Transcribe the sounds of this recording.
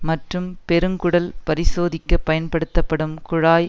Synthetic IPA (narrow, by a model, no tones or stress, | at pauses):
mɐʈrɯmpɛɾɯŋkʊɽɐlpɐɾɪsoːðɪkːɐpːɐjɐnpɐɽɯt̪ːɐpːɐɽɯmkʊɻaːj